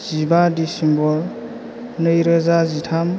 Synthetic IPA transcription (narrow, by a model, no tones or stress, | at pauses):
z̥ibadisimbɔɾ | nɯjɾɯzazitʰam